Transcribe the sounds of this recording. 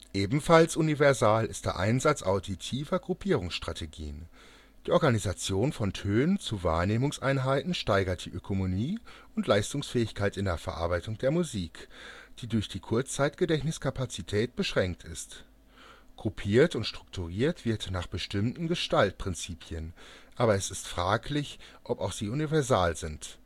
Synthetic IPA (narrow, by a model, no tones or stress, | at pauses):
ʔeːbm̩falsʔunivɛɐzaːlɪst̚d̥eːɐʔa̰ɪnzat͡sʔa̰ʊditʰiːvɐɡʁupʰiːʁ̞ʊŋsʃtʁ̥atʰeɡḭːən | d̥iːʔɔɐɡanizat͡sjoːnfɔntʰøːnənt͡suva̰ːɐneːmʊŋsʔa̰ɪnɦaɪtn̩ʃtaɪɡɐt̚d̥ḭːʔøkʰomoniːʔʊntʰlaɪstʊŋsfɛːɪçkʰaɪtɪndeːɐfɛɐʔa̰ɐbaɪtʊŋd̥eːɐmuziːkd̥iːdʊɐçd̥iːkʰʊɐt͡st͡saɪtɡ̥ədɛçnɪskʰapat͡sitʰɛːt̚b̥əʃʁ̥ɛŋk̚tʰɪst | ɡ̥ʰupʰiːɐtʊntʃtʁ̥ʊk̚tʰuʁiːɐtv̥ɪɐtnaːχb̥əʃtɪmtn̩ɡəʃtalt̚pʁ̥ɪnt͡siːpʰjənʔaːbɐɛsɪstfʁ̥aːklɪç | ʔɔpaʊxz̥iːunivɛɐzaːlzɪnt